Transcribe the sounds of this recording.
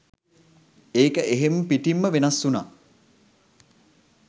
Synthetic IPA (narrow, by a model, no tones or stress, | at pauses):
eːkəʔeɦempiʈimːəʋenasːuna̰ː